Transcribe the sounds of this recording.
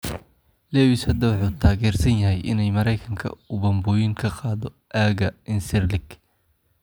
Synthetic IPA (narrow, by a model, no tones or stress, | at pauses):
lɛːwɪshɐd̪ɐwɑħuːt̪ʰaːɣɛːrsɐnjɐɦɛjʔɪ̰nɛjmɐɾɛjkʰɐŋkʰɐ̰ʊβɐmbɔːjɪŋkʰɐqɑːðɔ | ʔaːɣɐɪnsɪrlɪɡ